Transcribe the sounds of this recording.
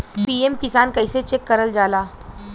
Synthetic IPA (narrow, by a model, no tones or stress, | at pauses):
piːemkɪsaːnkɐɪset͡ʃekːɐɾəld͡ʒaːlaː